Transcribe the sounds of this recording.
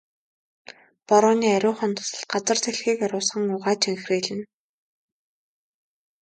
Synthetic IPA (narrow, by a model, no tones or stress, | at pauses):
pɔɾʊːniːæɾʲʊːχœ̆nt̪ʰʊ̥sə̆ɮt̪̚ɢat͡sə̆r̥t̪ʰeɮxiːkæɾʲʊːsχə̆ŋʊʁaːt͡ɕʰeŋxriːɮɘ̆n